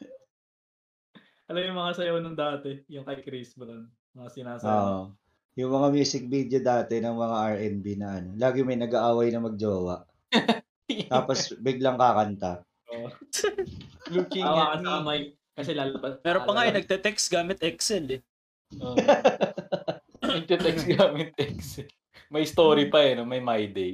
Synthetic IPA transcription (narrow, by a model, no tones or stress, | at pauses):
ɐlɐmjʊŋmɐŋasɐjonɐŋd̪aːt̪ɛjʊŋkɐjkɾisbɐlɐn | mɐŋasɪnaːsoːʔo | jʊŋmɐŋamjuːsɪk̚bid̪od̪aːt̪ɛnɐŋmɐŋaʔɐɹʔɛnbinɐʔɐno̞laːɡɪmɐjnɐɡaʔaːwɐjnɐmɐɡ̚d͡ʒoːwɐʔ | t̪ːposbɪɡlaŋkakɐnt̪a | oʔ | lukɪwaɐɐmɐj | kɐsɛlalbɐmɛːɾopɐŋaːjnɐɡ̚t̪ɛt̪ɛksɡaːmɪt̪ʔɛksɛlɛ | ʔo | nɐɡ̚t̪ɛt̪ɛksɡamɪt̪̚ɛksɛl | mɐjst̪oːɾipɐjɐnomɐjmajd̪ɛj